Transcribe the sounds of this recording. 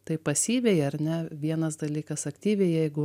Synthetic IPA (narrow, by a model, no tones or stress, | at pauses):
t̪ɐɪpɐsʲiːʋʲɛjɐɾʲnʲɛʋʲiɛnɐsd̪ɐlʲiːkɐsɐkt̪ʲiːʋʲɛɪjɛɪɡʊ